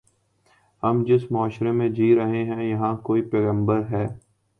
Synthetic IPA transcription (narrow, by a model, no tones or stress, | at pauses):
hɐmd͡ʒɪsmaːʃɾemẽd͡ʒiːɾɐɦeɦɛ̃jɐɦãkoːipɛːɣə̃mbəɾɦɛː